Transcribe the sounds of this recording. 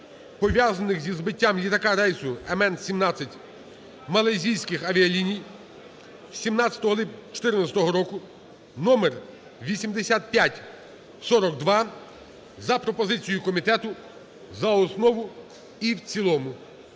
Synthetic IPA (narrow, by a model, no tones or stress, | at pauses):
pɔʋʲjazɐnɪxzʲizbɪtʲːamlʲit̪ɐkɑɾɛjsʊemɛnsʲimnɑt͡sʲːɐtʲ | mɐlˠɐjzʲijsʲkɪxɐʋʲiɐlʲinʲij | sʲimnɑt͡sʲɐ̥t̪ɔɦɔlˠɪt͡ʃɔ̥t̪ɪrnɐt͡sʲɐ̥t̪ɔɦɔɾɔkʊ | nɔmer | ʋʲisʲimd̪esʲat̪̚pʲjatʲ | sɔɾɔɡd̪ʋɑ | zɐpɾɔpɔzɪt͡sʲijʊkɔmʲit̪ɛt̪ʊ | zɐɔsnɔʋʊ | iwt͡sʲilˠɔmʊ